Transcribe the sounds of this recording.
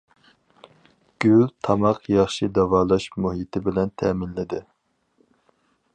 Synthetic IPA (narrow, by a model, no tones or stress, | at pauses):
ɡ̥ʲylt̪ʰɑmɑqjɑχʃid̪ɑwɑːlˠɑʃmuɦit̪ʰɪbɪlɛnt̪ʰɛmɪnlɪd̪ɪ